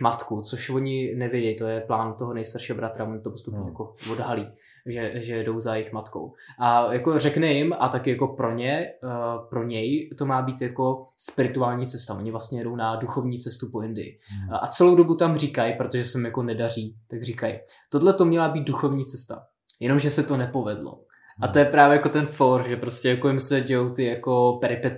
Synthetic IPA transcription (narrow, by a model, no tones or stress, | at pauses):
mat̪kut͡so̞ʃvo̞ɲɪnɛvjɛɟɛjt̪o̞jɛplaːnt̪o̞ɦonɛjst̪aɾʃiːɦobɾat̪ɾavoɲɪt̪opost̪upɲɛjakovo̞dɦaliː | ʒɛʒɛjɛdo̞wzajɪxmat̪ko̞̰wʔajako̞r̝ɛknɛjɪmat̪akɪjako̞pɾo̞ɲɛ | pɾo̞ɲɛjt̪o̞maːbiːt̪jako̞spɪɾɪt̪uaːlɲiːt͡sɛst̪aʔo̞ɲɪvlast̪ɲɛjɛdo̞wnaduxo̞vɲiːt͡sɛst̪upo̞ʔɪndɪjɪ̰ʔa̰t͡sɛlowdo̞but̪amr̝iːkajpɾo̞t̪oʒɛsɛmɪmjako̞nɛdariːt̪aɡriːkaj | t̪odlɛt̪o̞mɲɛlabiːt̪̚duxo̞vɲiːt͡sɛst̪a̰ | jɛno̞mʒɛsɛt̪o̞nɛpo̞vɛdlo̰ | ʔat̪o̞jɛpɾaːvjɛjako̞t̪ɛnfoɾʒɛpɾoscɛjakojɪmsɛɟɛjowt̪ɪjako̞pɛɾɪpɛt̪